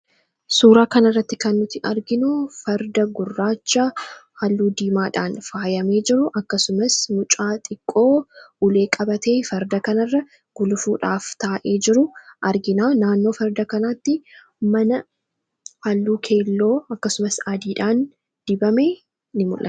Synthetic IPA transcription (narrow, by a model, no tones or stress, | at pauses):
suːɾaːkɐnɪrːɐt̪ːɪkɐnːʊt̪ːɪʔɐɾɡɪnofɐɾd̪ɐɡʊrːaːt͡ʃːahɐlːuːd̪iːmaːᶑaːnfaːjɐme̞ːd͡ʒɪɾʊʔɐkːɐsʊmɐsmʊt͡ʃʼaːt̪ʼɪkʼːo̞ːʊle̞ːkʼɐbɐt̪e̞ːfɐɾd̪ɐkɐnɐrːɐ | ɡ̥ʊlʊfuːᶑaːft̪aːʔe̞ːd͡ʒɪɾʊʔɐɾɡɪnaːnaːnːo̞ːfɐɾd̪ɐkɐnaːt̪ːɪ | mɐnɐ | hɐlːuːkʰe̞ːlːo̞ːɐkːɐsʊmɐsaːd̪iːᶑaːn | d̪̥ɪbɐme̞ː | nɪmʊlʔɐt̪